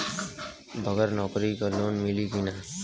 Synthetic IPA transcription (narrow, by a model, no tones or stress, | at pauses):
bʱəɡəɾnɔːkɾikaloːnmilikina